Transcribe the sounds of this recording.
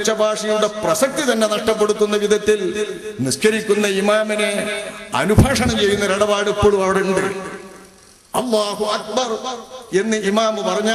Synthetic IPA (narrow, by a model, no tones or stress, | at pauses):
t͡ɕːɐbʱaːʂɐjuɽe̞prɐsɐk̚t̪it̪ɐnːe̞nɐʂʈɐpːe̞ɽut̪ːunːɐʋid̪ʱɐt̪ːilniʂkɐɾikʲːunːɐimaːmine̞ɐ̰nubʱaːʂɐɳɐmt͡ɕe̞jːunːɐɾeɽɐbaːɽepːoːɭumɐʋɐɽeuɳɖɨ | ɐlːaːɦuɐk̚bɐre̞nːɨimaːmpɐrɐɲːaː